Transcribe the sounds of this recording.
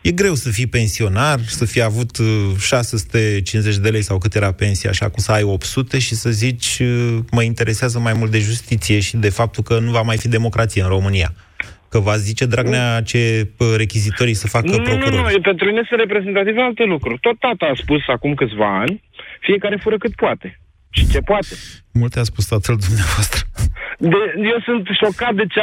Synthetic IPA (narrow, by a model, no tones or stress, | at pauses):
je̞ɡɾe̞wsəfijpe̞nsio̞narsəfijavut̪ʃase̞su̥t̪e̞t͡ʃinzet͡ʃʲd̪e̞le̞jsawkɨt̪jeɾape̞nsija̰ʃa̰kumsəajo̞pt̪sut̪e̞ʃisəzit͡ʃʲməint̪e̞ɾʔe̞seazəmajmult̪̚d̪eʒust̪it̪sije̞ʃid̪e̞fap̚t̪ulkənuvamajfid̪e̞mo̞kɾʔat̪sijeɨnro̞mɨnija̰ | kəvazit͡ʃe̞d̪ɾaɡneat͡ʃe̞ɾe̞kʲizit̪o̞ɾijsəfakənɾonuɾupe̞nt̪ɾuminesɨnɾe̞p̬ɾeze̞nt̪at̪ivalt̪e̞lukɾurʲt̪o̞t̪ːat̪aːspusakumkɨt̪sʲvaa̰nʲ | fije̞kaɾe̞fuɾəkɨt̪̚poat̪e̞ | ʃit͡ʃe̞poat̪emult̪easpust̪at̪əld̪umneavoast̪ɾəd̪ejewsɨnt̪ʃo̞kat̪̚d̪e̞t͡ʃe